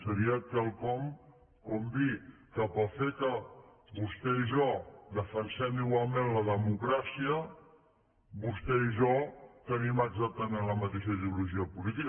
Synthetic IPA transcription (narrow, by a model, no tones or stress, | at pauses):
səɾiəkəlˠkɔm | kumbi | kəpəlˠfekə | βust̪ɛiʒɔd̪əfənsɛmiɣwalˠmẽnləðəmukɾasiə | βust̪ɛiʒɔt̪əniməɡzak̚t̪əmenləmət̪eʃəiðiuluʒiəpulit̪ik